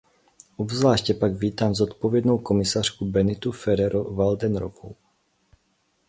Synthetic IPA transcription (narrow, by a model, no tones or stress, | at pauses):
ʔobzvlaːʃcɛpaɡviːt̪aːmzot̪povjɛd̪nowkomɪsaːr̥kubɛnɪt̪ufɛɾɛɾovald̪ɛnɾovo̰w